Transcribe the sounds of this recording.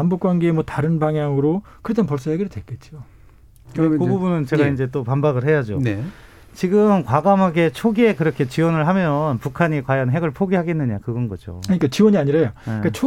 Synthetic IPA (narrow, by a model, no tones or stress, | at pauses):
ambokwanɡeːmwʌtaɾɯnbaŋɦjaŋɯɾokɯɾed͡ʑanpʌɭs͈ojaɡiɾɯdwek͈e̞t̚t͡ɕ͈o | kɯɾkububunɯnt͡ɕe̞ɡaind͡ʑe̞t͈opambaɡɯɭɦe̞jad͡ʑone | t͡ɕiɡɯmkwaɡamɦaɡe̞t͡ɕʰoɡiekɯɾʌkʰe̞t͡ɕiwʌnɯɭɦamjʌnpukʰaɲikwajʌnɦe̞ɡɯɭpʰoɡiɦaɡenːɯɲakɯɡʌnɡʌd͡ʑo̰kɯɲik͈at͡ɕiwʌɲiaɲiɾajoeik͈at͡ɕʰo